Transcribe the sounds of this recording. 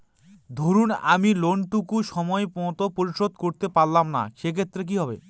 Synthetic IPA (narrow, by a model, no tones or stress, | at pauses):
d̪ʱoɾunamiloɳʈukuʃɔmɔepɔ̃t̪opoɾiʃod̪̚koɾt̪epaɾːamna̰ʃekʰet̪ːɾek̬iɦɔbḛ